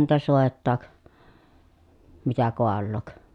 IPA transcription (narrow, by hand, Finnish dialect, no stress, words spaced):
niːtæ soˑetːɑːk mitæ koɑlːoːk